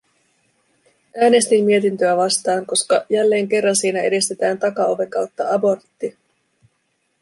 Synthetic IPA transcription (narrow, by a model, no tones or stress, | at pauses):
ʔæːne̞st̪imːie̞t̪int̪øæʋɑst̪ɑːŋko̞skɑjælːe̞ːŋke̞rːɑnsiːnæe̞dist̪e̞t̪æːnt̪ɑkɑoʋe̞kɑwt̪ːɑɑbo̞rt̪ːi